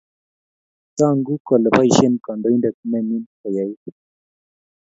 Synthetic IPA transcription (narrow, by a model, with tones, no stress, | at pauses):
t͡sa˦˨ŋɡu˦kɔ˨lə˨pa˦i˨ʃe˦nka˨ndɔ˨˦i˦nda˨k̚u˦mɛ˦mi˦nka˨ja˨˦j